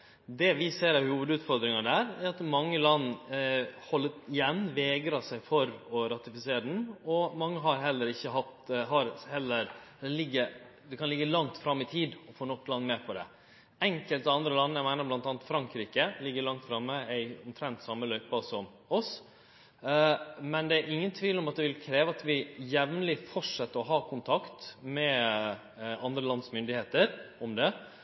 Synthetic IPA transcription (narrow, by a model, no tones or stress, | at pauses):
d̪ɛʋɪseːɾɑʋhuːʋəd̪ʉːt̪fɔɾd̪ɾɪŋɑd̪æːɾæɾɑt̪mɑŋːəlɑnː | hɔlːət̪ɪjɛnːʋɛːɡɾɑsæɪfɔɾɔɾɑt̪ɪfɪseːɾəd̪n̩ɔmɑŋːəɦɑɾɦɛlːəɾɪçːəɦɑt̪ɦɑɾhɛlːəɾd̪ɛlɪɡːəɾ | d̪ɛkʰɑnlɪɡːəlɑŋt̪fɾɑmːɪt̪ʰiːd̪ɔfoːnɔkːlɑnːmɛːpʰɔd̪ɛ̰ | ɛŋkəlt̪ɪɑnd̪ɾəlɑnːəæɪmæɪnəblɑnt̪ɑːnt̪fɾɑŋkɾiːkəlɪɡːəɭɑŋt̪fɾɑmːəæɪɔmt̪ʰɾɛnt̪sɑmːəlœʏpɑsɔm | ɔs | mɛnd̪ɛæɾʔɪŋːənt̪ʰʋiːlɔmɑt̪̚d̪ɛʋɪlkʰɾeːʋəɑt̪ʋɪjɛʋnəlɪfɔʂɛt̪ːəɾɔɦɑːkʰʊnt̪ʰɑkt̪mɛ | ɑnd̪ɾəlɑnsmʏnd̪ɪheːt̪əɾɔmd̪ɛ